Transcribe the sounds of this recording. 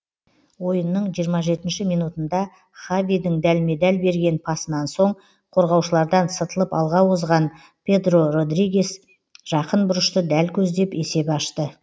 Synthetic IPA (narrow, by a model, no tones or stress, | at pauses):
wo̞jənːəɴʒijəɾmɑʒe̞t̪ɪnʃɪmijnut̪ənd̪ɑ | χavʲid̪ɪŋd̪ælme̞d̪ælbe̞ɾɡʲe̞npʰɑsənɑnso̞ɴ | qʰo̞ɾʁɑwʃəlˠɑɾd̪ɑnsət̪əlˠəpɑlˠʁɑwozʁɑn | pʲʰe̞d̪ro̞ro̞d̪riɡʲes | ʒ̥ɑqənbʊɾəʃt̪əd̪ælkʲʰɵzd̪e̞pe̞se̞pɑʃt̪ə